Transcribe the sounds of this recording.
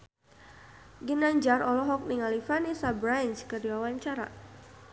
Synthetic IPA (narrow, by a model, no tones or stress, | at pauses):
ɡinaɲd͡ʒarɔlɔɦɔk̚niŋalifanisabɾajnt͡ʃkədiwawaɲt͡ʃaɾa̰